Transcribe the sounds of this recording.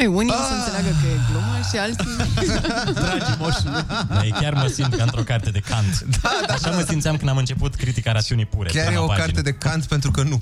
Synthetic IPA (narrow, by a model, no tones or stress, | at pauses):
junisəɨneleaɡəkəeklomaʃialt̪i | d̪ɾad͡ʒmoʃd̪ajekjarməsint̪̚kəɨnt̪ɾo̞kart̪ed̪e̞kʰant̪d̪aʃaməsimt̪siamkɨnamɨnt͡ʃe̞put̪kɾit̪ikaɾat̪siunipuɾekʲjaɾjeopakaɾit̪ed̪ekant̪pe̞nt̪ɾukənu